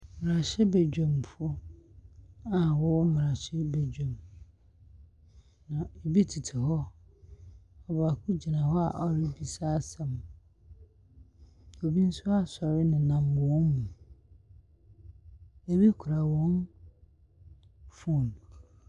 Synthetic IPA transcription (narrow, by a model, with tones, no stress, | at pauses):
mɪ̃˨ɾa˨ɕɪ˦bɛ˨d͡ʑᶣɔ̃˨mfo˦ | a˨wɔ˦wmɪ̃˨ɾa˨ɕɪ˦bɛ˨d͡ʑᶣɛ̃˨m | nã˨e˨bi˦tʰi˨tʰɪ˨hɔ˦ | ɔ˨ba˨kʰʊ̃˦d͡ʑi˨nã˨hɔ˦a˨ʔɔ˨ɾɪ˦bi˨saː˦sã˨m | o˨bi˦n̩˦sʊ˦a˦sɔ˨ɾɪ˦nɪ̃˨nã˨m˨wɔ˦nmũ˨ | e˨bi˦kʰʊ˨ɾa˨wɔ̃˦n | fu˦˨nũ˨